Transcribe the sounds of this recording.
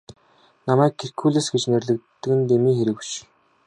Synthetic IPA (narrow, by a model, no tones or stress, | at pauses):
namæːkʰːerkʰuːɮesɡet͡ɕnerɮɘ̆k̚t̪ːɘ̆kɘ̆nt̪emiːŋxeɾɘ̆kwʃ